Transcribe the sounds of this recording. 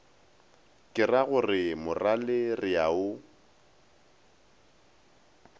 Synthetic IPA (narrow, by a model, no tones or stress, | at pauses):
kʼɪraɣʊrɪmʊralerɪjaʊ